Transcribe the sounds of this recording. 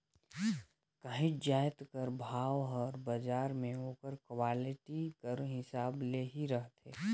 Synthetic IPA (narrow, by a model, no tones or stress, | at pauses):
kɐɦɪ̃d͡ʒaːɪt̪kəɾbʱaːʋɦɔːɾbəd͡ʒaːɾmẽoːkəɾkwaːlɪʈikəɾɦɪsaːbleːɦiɾɐɦt̪ḛː